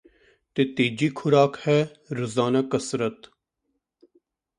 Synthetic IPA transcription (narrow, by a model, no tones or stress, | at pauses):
t̪et̪eːd͡ʒiːkʰʊɾaːkhɛː | ɾəzaːnakəsɾət̪